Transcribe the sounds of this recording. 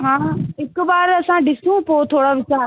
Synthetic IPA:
ɦãːɪkbaːɾɐsãɖɪsũpoːt̪ʰoːɽaʋɪt͡ɕaː

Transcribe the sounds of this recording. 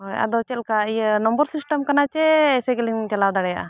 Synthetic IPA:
ɦojɐ̰d̪ot͡ʃelkainɐmbɐɾsisʈɐmkɐnat͡ʃeːseɡeliŋt͡ʃɐlawd̪ɐɽɛja̰

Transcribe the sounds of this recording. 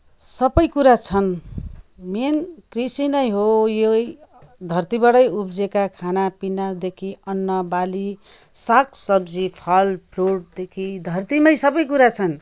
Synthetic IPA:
sʌbʌjkuɾat͡sʰʌn | menkrisinʌjɦojejd̪ʱʌrt̪ibʌɽʌjubd͡zekakʰanapinad̪ekʰiʌnːʌbali | saksʌbd͡zipʰʌlpʰruɽ̚d̪ekʰid̪ʱʌrt̪imʌjsʌbʌjkuɾat͡sʰʌn

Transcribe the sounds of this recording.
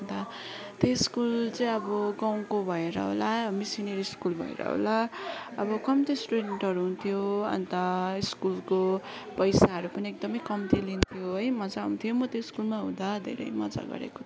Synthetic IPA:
nd̪a | t̪eskult͡sʌj̃ʌbʌɡaw̃kobʱʌeɾʌ̰ɦo̰lamisineɾiskulbʱʌ̰ḛɾʌ̰ɦo̰laʌbʌkʌmt̪esʈuɖeɳʈɦʌɾuɦunt̪ʰijoʌ̰nt̪ʌiskulkopʌjsaɦʌɾupʌniek̚d̪ʌmʌjkʌmt̪ilint̪ʰijoɦʌjmʌd͡zaɦṵnt̪ʰijomʌt̪eiskulmaɦũnd̪ad̪ʱḛɾʌ̰jmʌ̰d͡za̰ɡʌ̰ɾḛko̥

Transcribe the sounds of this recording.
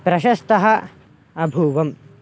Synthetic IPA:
pɾɐʃɐst̪ɐɦɐ | ɐbʱuːʋɐm

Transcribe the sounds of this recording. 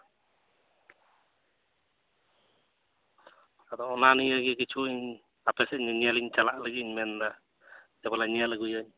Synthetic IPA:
ad̪ɔɔnanijaɡɛkit͡ʃʰuiɲ | apɛsɛɲɲɛliɲt͡ʃalaʔlaɡiɲmɛnd̪a | dɛbalaɲɛlaɡujaɲ

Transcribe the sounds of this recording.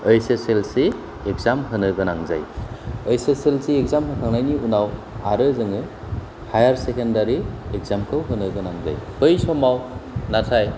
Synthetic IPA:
ɯjseselsi | ek̚zamɦɯnɯɡɯnaŋza̰jɯjseselsiːk̚zamɦɯtʰaŋnajniunaw | aɾɯzɯŋɯ | hajaɾsekendaɾiek̚zamkʰɯwɦɯnɯɡɯnaŋza̰jpɯjsɔmawnatʰaj

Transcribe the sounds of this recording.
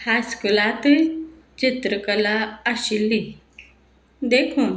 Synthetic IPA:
haskulat̪ | t͡ʃit̪ɾəkəlaəɕilːi | d̪eːkʰũ

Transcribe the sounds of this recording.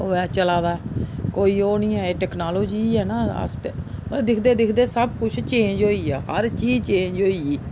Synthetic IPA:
oːɛːt͡ʃəlaːd̪aːɛkoːiːoːnĩːɛːeːʈɛːknaːloːd͡ʒiːɛːnaːə̰st̪ed̪ɪkʰd̪eːd̪ɪkʰd̪eːsəbkʊt͡ʃʰt͡ʃẽːɲd͡ʒɦoːiːɛːɦə̰ɾt͡ʃiːd͡ʒt͡ʃẽːɲd͡ʒɦoːiiː

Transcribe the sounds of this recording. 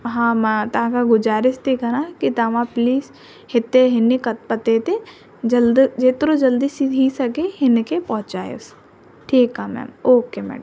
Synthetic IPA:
ɦãːmat̪ɐɦãkaɡʊd͡ʒaːɾɪʃt̪ikɐnãːkit̪ɐʋãpliːs | hɪt̪ːeɦɪnikɐpɐt̪et̪e | d͡ʒɐld̪d͡ʒeːt̪ɾod͡ʒɐld̪iːsiɦisɐɡeɦɪnkepɐɦʊ̃t͡ʃaːjḛs | ʈʰiːkamɛ̰ːmoːkemɛ̰ːɖəm

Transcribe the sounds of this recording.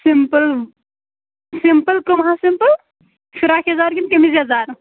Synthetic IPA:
simpəl | simpəlkɐmɦaːsimpəl | fiɾaːkʰɐzaːɾɡimkɐmizjɐzaːɾ

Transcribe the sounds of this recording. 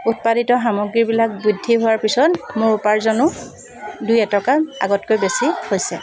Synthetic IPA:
ut̚paditɔɦamɔɡɹiɹbilak̚budʱːiɦʊwaɹpisɔtmʊɹupaɹzɔnʊ | dujɛtɔkaa̰ɡɔtkojbesihojsɛ

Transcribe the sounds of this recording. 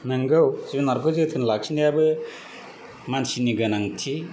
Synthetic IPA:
naŋɡɯwsibinaɾkʰozitʰɯnlak̚sʰinijabɯ | mansiniɡanaŋtʰi

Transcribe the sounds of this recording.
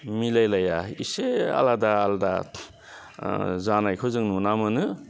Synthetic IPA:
milajlajaisea̰ladaːlda̰ | zanajkʰɯzɯŋnunamɯnɯ

